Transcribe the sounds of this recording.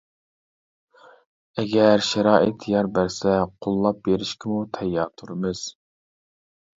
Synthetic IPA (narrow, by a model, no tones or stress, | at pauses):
ɛɡʲɛɾʃæɾɑːʔɪt̪ʰjɑɾbæɾsɛqʰolˠːɑp̚beɾɪʃkʲɪmut̪ʰɛjːɑt̪ʰuɾɪmɪz̥